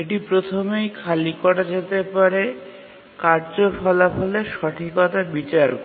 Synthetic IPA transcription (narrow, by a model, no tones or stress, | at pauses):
eʈipɾot̪ʰomejkʰalikɔʈad͡ʑet̪epaɾe | kaɾd͡ʑofɔlafɔleʃɔʈʰikɔt̪abit͡ɕaɾ